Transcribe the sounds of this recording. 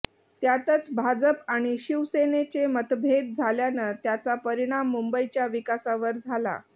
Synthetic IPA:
t̪jat̪ət͡sbʱad͡zəpaɽ̃iɕiʋsenet͡semət̪bʱed̪̚d͡zʱaljanət̪jat͡sapəɾiɽ̃amːumbəit͡ɕjaʋikasaʋəɾd͡zʱala̰

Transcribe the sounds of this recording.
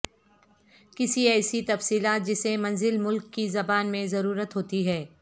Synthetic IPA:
kɪsiɛːsit̪ɐfsiːlaːt̪̚d͡ʒɪsẽmɐ̃nzɪlmʊlkːizɐbaːnmẽzɐɾuːɾət̪ɦoːt̪iɦɛː

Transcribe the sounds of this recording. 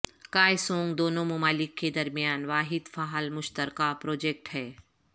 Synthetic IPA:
kaːjsõːŋɡd̪oːnõmʊmaːlɪkːed̪ɐɾmijaːnʋaːɦɪd̪faːɦəlmʊʃt̪əɾkapɾoːd͡ʒeːk̚ʈhɛː

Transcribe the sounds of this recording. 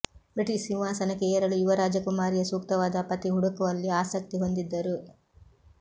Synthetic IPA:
pɾɐʈisinʋaːsɐnɐkeːɾɐɭuuʋɐɾaːd͡ʒɐkumaːɾijɐsuːkt̪ɐʋaːd̪ɐpɐt̪iɦuɽɐkuʋɐlːiaːsɐk̚t̪iɦo̞nd̪id̪ːɐɾu

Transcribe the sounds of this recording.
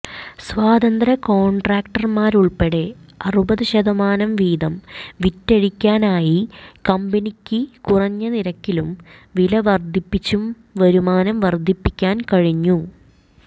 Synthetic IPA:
sʋaːd̪ɐnd̪ɾɐko̞ːɳɖraːkʈɐrmaːɾuɭpeɽeɐrubɐðɨɕɐðɐmaːnɐmʋiːd̪ɐmʋitːeɻikʲːaːnaːjikɐmbinikʲːɨkurɐɲːɐniɾɐkːilum | ʋilɐʋɐrd̪ʱipːit͡ɕːum | ʋɐɾumaːnɐmʋɐrd̪ʱipːikʲːaːnkɐɻiɲːu

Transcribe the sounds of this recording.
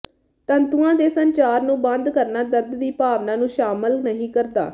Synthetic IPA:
t̪ənt̪uãːd̪eːsənt͡ʃaːɾnũːbənd̪kəɾnaːd̪əɾd̪d̪iːpaːʋnãːnũːʃaːməlnəɦĩːkəɾd̪a̰ː

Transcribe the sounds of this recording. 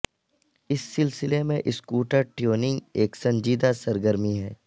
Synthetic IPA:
ɪsːɪlsɪlemẽʔɪskuːʈəɾʈijoːnɪ̃ŋɡeːksɐ̃ɲd͡ʒiːd̪asɐɾɡəɾmiɦɛː

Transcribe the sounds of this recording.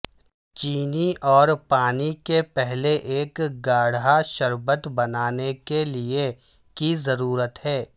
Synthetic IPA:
t͡ʃiːniʔɔːɾpaːnikepɛɦleʔeːkɡaːɽ̤ɦaʃəɾbət̪bɐnaːnekelie | kizɐɾuːɾət̪ɦɛː

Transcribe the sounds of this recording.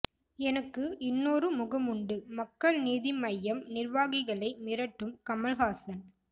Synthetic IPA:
ɛnɐkːɯʔɪnːoːɾɯmʊɣɐmʊɳɖɯmɐkːɐɭniːðɪmɐjːɐmnɪrʋaːɣɪɣɐɭɐɪmɪɾɐʈːɯmkɐmɐlɦaːsɐn

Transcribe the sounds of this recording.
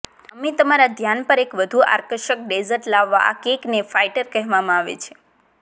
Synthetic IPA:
əmet̪əmaɾad̪ʱjanpəɾekʋəd̪ʱua̰ɾkəʃək̚ɖezəɾʈlaʋːa̰a̰keknefaiʈəɾkəɦʋamãaʋḛt͡ʃʰe̥

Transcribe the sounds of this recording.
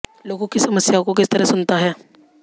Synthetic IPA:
loɡõkisəməsjakok̬ɪst̪əɾəsunt̪aɦɛː

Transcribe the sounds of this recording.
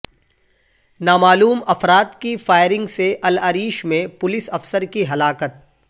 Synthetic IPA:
naːmaːluːmɐfɾaːt̪kifaːɪɾɪ̃ŋɡseʔɐlɐɾiːʃmẽpʊlɪsɐfsəɾkiɦɐlaːkət̪̚

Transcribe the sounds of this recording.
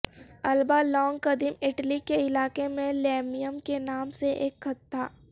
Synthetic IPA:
ɐlbaːlɔːŋɡkɐd̪imɪʈlikeɪlaːkemẽleːmijəmkenaːmseʔeːkxɐt̪ːaː

